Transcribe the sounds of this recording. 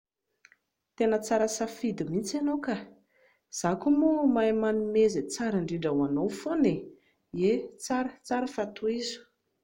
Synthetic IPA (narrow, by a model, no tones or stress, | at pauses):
t̪enət͡saɾəsafid̪imint͡sanowka | z̥akumumaemanumezet͡saɾaɳɖ͡ʐiɳɖ͡ʐawanowfone | et͡saɾət͡saɾəfat̪uizu̥